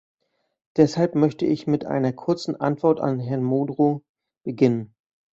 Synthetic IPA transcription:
d̥ɛshalpmœçtəʔɪçmɪtʔa̰ɪnɐkʰʊɐt͡sn̩ʔa̰ntv̥ɔɐta̰nɦɛɐnmoːdʁo | b̥əɡɪnən

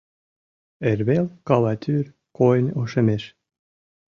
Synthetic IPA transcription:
erʲβelkɑlɑt̪ʲʰyrʲ | konʲoʃĕmeʃ

